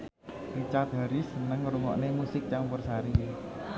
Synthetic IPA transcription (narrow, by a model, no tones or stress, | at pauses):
rit͡ɕaːt̪̚haɾisnɨŋrumɔ̰ʔneːmusik̚t͡ɕaŋmpərsaːɾiː